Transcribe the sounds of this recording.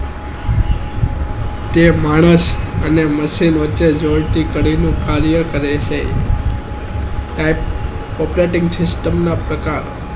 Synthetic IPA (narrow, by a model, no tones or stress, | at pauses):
t̪emaɽ̃əsəneməʃinʋətːʃed͡ʒolʈ̪ikəɽinũkʰaɾijəkəɾet͡ʃʰe | ʈaip̚ | ɔpɾeʈɪ̃ŋɡsɪsʈəmnapɾəkaɾo